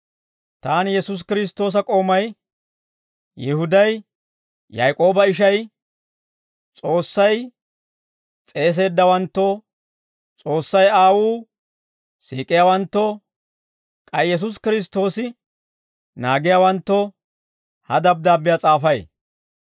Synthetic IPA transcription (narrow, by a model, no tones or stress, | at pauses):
t̪aːnjɛsʊs̬kɪɾɪs̬t̪ːo̞ːs̬ɐkʼo̞ːmɐj | jɪhʊd̪ɐj | jajkʼo̞ːbɐɪʃ̬ɐj | t͡sʼo̞ːsːɐj | t͡sʼe̞ːs̬e̞ːd̪ːɐwɐnt̪ːɔ | t͡sʼo̞ːsːɐjaːwuː | siːkʼːɪjaːwɐnt̪ːɔ | kʼɐjjɛs̬ʊs̬kɪɾɪs̬t̪ːo̞ːsɪ | naːɡɪjaːwɐnt̪ːɔ | hɐd̪ɐb̚d̪aːbːɪjat͡sʼaːfɐj